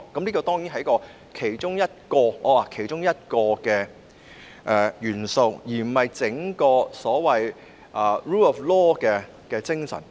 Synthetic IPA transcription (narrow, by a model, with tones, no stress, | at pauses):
kɐ˨˦mliː˥kɔː˧t̪ɔː˥ŋjiː˨nɦɐ˨jkɔː˧ | kʰe˨˩jt͡ʃʊ˥ŋjɐ˥t̚kɔː˧ɔː˨˧waː˨˧˩kʰe˨˩jt͡ʃʊ˥ŋjɐ˥t̚kɔː˧kɛː˧ | ʔɛ˧jyː˨˩nso˧wjiː˨˩m̩˨˩ɐ˨jt͡sɪ˨˥ŋkɔː˧sɔː˨˥wɐ˨j | ʔɐː˨˩ɹuː˥ɔː˨flɔː˥kɛː˧ | kɛː˧t͡sɪ˥ŋsɐ̰˨˩n